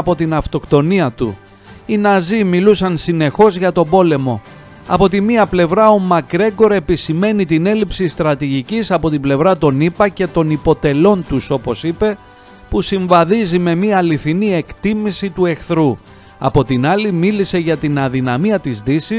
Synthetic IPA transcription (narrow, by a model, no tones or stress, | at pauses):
po̞t̪inɐft̪o̞kt̪o̞niɐt̪ṵ | inɐzimilusɐnsine̞xo̞zʝɐt̪o̞bo̞le̞mo̞ | ɐ̰po̞t̪imiɐple̞vɾɐo̞mɐkɾe̞ɡo̞ɾe̞pisime̞nit̪ine̞lipsist̪ɾɐt̪iʝicisɐpo̞t̪ible̞vɾɐt̪o̞nipɐce̞t̪o̞nipo̞t̪e̞lo̞nt̪uso̞po̞sipe̞ | pusiɱvɐðizime̞miɐːliθinie̞kt̪imisit̪ue̞xθɾu | ɐ̰po̞t̪inɐlimilise̞ʝɐt̪inɐðinɐmiɐt̪izðisis